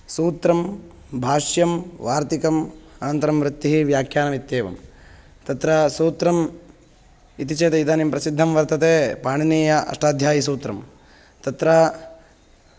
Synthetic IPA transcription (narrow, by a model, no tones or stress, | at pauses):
suːt̪ɾɐm | bʱaːʂjɐmʋaːɾt̪ikɐmaːɐnt̪ɐɾɐmʋɾut̪ːiɦiʋjaːkʰjaːnɐmit̪jeːʋɐ̰m | t̪ɐt̪ɾɐsuːt̪ɾɐm | it̪it͡ʃeːt̪eid̪aːnimpɾɐsid̪ʱːɐmʋɐɾt̪ɐt̪eːpaːɳiniːjɐʔɐ̰ʂʈaːd̪ʱjaːjisuːt̪ɾɐm | t̪ɐt̪ɾɐ